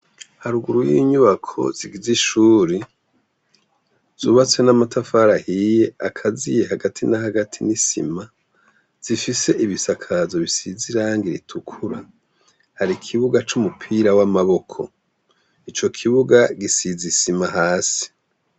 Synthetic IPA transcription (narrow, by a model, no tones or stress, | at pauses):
haɾuɡuɾujiːɲuβakʰo̞̰z̥iɡiziʃuːɾi | z̥uːβat͡swe̞namatafaɾahije̞akʰazijehaɡatʰinahaɡatʰinisḭma | z̥ifise̞ʔiβisakʰazo̞βisiziɾaːŋɡiɾḭtʰukʰuɾa | haɾikʰiβuɡat͡ʃumupʰiɾawamaβo̞kʰo̞̰ | it͡ʃo̞kʰiβuɡaɡisizisimaɦaːsi̥